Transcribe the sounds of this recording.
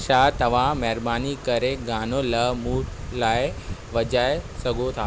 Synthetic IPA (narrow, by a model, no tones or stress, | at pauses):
ʃaːt̪ɐʋ̤ãmɛːɾbaːnikɐɾeɡaːnolɐmuːɾlaːeʋɐd͡ʑaːesɐɡʱot̪ʰaː